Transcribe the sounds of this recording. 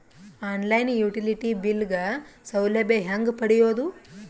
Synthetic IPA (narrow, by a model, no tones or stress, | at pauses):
aːnlɐjnjuːʈiliʈibilɡɐsɐwlebeɦaŋɡpɐɽijoːd̪u